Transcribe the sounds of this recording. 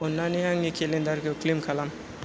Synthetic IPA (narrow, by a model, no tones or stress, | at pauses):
onːanijaŋikʰelẽnd̪aɾkoklimkʰalam